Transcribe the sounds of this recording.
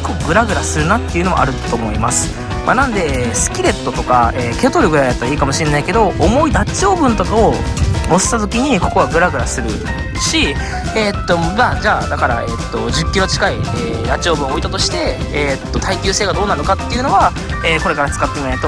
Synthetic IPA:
kʰːo̞ɡɯ̟ɾaɡɯ̟ɾasɨɾɯ̟nat̪ːe̞iɯ̟no̞m̰ʔa̰ɾɯ̟t̪o̞mo̞imasɨ̥ | ma̰nãnd̪e̞sɨ̥kʲiɾe̞t̪ːo̞t̪o̞kaeːkʲot̪oɾɯ̟ɡɯɾaj̪at̪ːaɾaiːkamo̞ɕiɾe̞naike̞d̪o̞ʔːmo̞id̪at͡ɕio̞ːbɯ̟̃nt̪at̪ː | mosɨ̥t̪at̪o̞kʲiɲ̟iko̞ko̞βaɡɯ̟ɾaɡɯ̟ɾasɨɾɯ̟ | ɕi | et̪ːo̞maːd͡ʑaːd̪akaɾa̰et̪ːo̞d͡ʑɨkʲːiɾo̞t͡ɕi̥kaieːɾat͡ɕio̞ːbɯ̟̃o̞it̪at̪o̞ɕi̥t̪e̞et̪ːo̞t̪ʰaikʲɨːse̞ːɡad̪o̞ːnaɾnokat̪ːe̞iɯ̟no̞βa | eːko̞ɾe̞kaɾat͡sɨ̥kat̪ːemiat̪o

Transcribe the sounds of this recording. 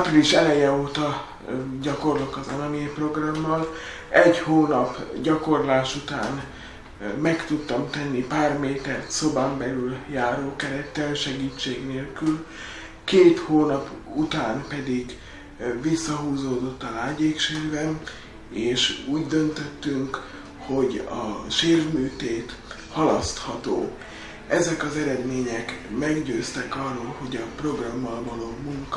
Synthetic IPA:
apriliʃɛlɛjɛoːt̪ɒ | ɟɒko̞rlokɒzɒnɒmeːpro̞ɡrɒmːɒl | ɛɟhoːnɒpɟɒko̞rlaːʃut̪a̰ːn | mɛkt̪ut̪ːɒmt̪ɛnːipaːrmeːt̪ɛrt̪so̞baːmbɛlyljaːɾoːkɛɾɛt̪ːɛlʃɛɡiːt͡ʃːeːɡneːlkyl | keːt̪hoːnɒput̪aːmpɛd̪iɡ | visːɒɦuːzoːd̪o̞t̪ːɒlaːɟeːkʃeːrbɛn | eːʃuːɟd̪ø̞nt̪øt̪ːyŋk | ho̞ɟɒʃeːrvmyːt̪eːt̪ | hɒlɒst̪hɒt̪o̰ː | ɛzɛkɒzɛɾɛd̪meːɲɛkmɛɡɟøːst̪ɛkɒrːoːlho̞ɟɒpro̞ɡrɒmːɒlvɒloːmuŋk

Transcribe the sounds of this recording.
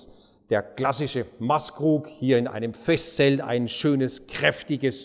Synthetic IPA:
d̥eːɐklasɪʃəmaskʁ̥uːkhiːɐɪnʔa̰ɪnəmfɛstsɛlta̰ɪnʃøːnəskʁ̥ɛftɪɡəs

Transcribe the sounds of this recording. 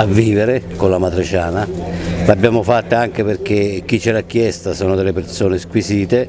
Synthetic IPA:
avːiːveɾekolamat̪ɾɪt͡ʃaːnalabjaːmʊfat̪ːaaŋk̟eperk̟ek̟ːit͡ʃːɛlak̟ːjɛst̪asoːnʊd̪elːepersoːneskwisiːt̪e

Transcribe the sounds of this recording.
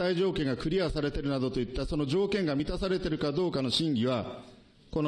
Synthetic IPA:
aiʑo̞ːkẽ̞ŋɡakɯ̟ɾʲiasaɾe̞t̪e̞ɾɯ̟nad̪o̞t̪o̞it̪ːaso̞no̞ʑo̞ːkẽ̞ŋɡamʲit̪asaɾe̞t̪e̞ɾɯ̟kad̪o̞ːkano̞ɕĩŋɡʲiβa | ko̞n

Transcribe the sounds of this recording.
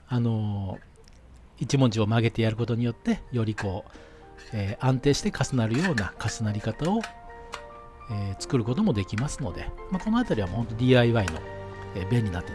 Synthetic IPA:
ano̞ | it͡ɕimõ̞ɲ̟d͡ʑio̞maɡe̞t̪e̞jaɾɯ̟ko̞t̪o̞ɲ̟ijo̞t̪ːe̞jo̞ɾʲiko̞ː | eːʔãnt̪e̞ːɕi̥t̪e̞kasɨnaɾɯ̟jo̞ːnakasɨnaɾʲikat̪ao̞ | eːt͡sɨ̥kɯ̟ɾɯ̟ko̞t̪̬o̞mo̞d̪e̞kʲimasɨno̞d̪e̞̰mako̞noat̪aɾʲiβamohõ̞nt̪odʲiːaiβaino̞̰eːbẽ̞ɲ̟ʲːinat̪ːe

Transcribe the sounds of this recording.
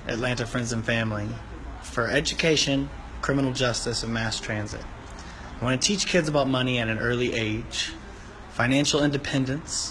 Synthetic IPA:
ʔɨ̰tˡlæ̃ntɨfɹɛ̃ndzɨ̃nfæ̃mli | fə˞ɛd͡ʒɨkʰeɪʃɨ̃n | kʰɹ̥ɪ̃mənl̩ˠd͡ʒʌstɨsʌvmæstʰɹ̥æ̃nzɪ̰t̚ | aɪwɑ̃nɨtʰit͡ʃkʰɪdzəbaʊt̚mʌniɨɾɨ̃n̩ɜ˞lˠiʔeɪd̥ʒ̥ | fãɪ̃næ̃nʃl̩ˠɪ̃ndɨpʰɛ̃ndɨ̃ns

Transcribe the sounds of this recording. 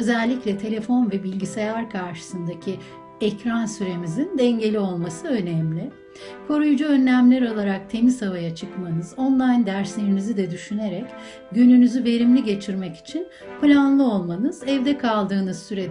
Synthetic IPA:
ø̞zɛlʲːiclʲɛt̪ʰe̞lʲe̞fo̞nvɛbilʲɟisejaɾkʰaɾʃɯ̥sɯnd̪acʰi | ɛcɾansyɾe̞mizind̪ɛɲɟe̞lʲio̞lˠmasɯø̞nɛmlʲɪ | kʰo̞ɾujud͡ʒuø̞nːʲæmlʲɛɾo̞lˠaɾak̚t̪ʰe̞mizavajat͡ʃʰɯkmanɯzo̞nlˠajnd̪æɾslʲeɾinizid̪ɛd̪yʃyneɾɛc | ɟynynyzyve̞ɾimlʲiɟe̞t͡ʃʰiɾmɛci̥t͡ʃʰin | plʲanlˠɯo̞lˠmanɯzɛvd̪ɛkʰalˠd̪ɯːnɯz̥syɾed

